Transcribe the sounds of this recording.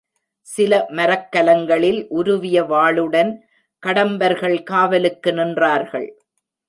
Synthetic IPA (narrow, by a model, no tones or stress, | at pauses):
sɪlɐmɐɾɐkːɐlɐŋɡɐɭɪlʔʊɾʊʋɪjɐʋaːɭɯɽɐn | kɐɽɐmbɐɾɣɐɭkaːʋɐlɯkːɯnɪndraːɾɣɐ̰ɭ